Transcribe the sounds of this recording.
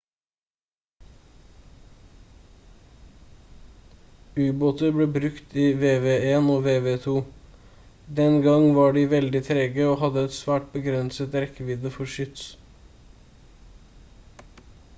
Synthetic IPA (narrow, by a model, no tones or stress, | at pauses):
ʉːboːt̪əɾbleːbɾʉkt̪iːʋeːʋeːeːnoːʋeːʋeːt̪ʰuː | d̪ɛnɡɑŋʋɑːɖiːʋɛld̪ɪt̪ʰɾeːɡəoːhɑd̪əɛt̪sʋæːʈ̚bəɡɾɛnsət̪ɾɛkəʋiːd̪əfɔʃʏt̪s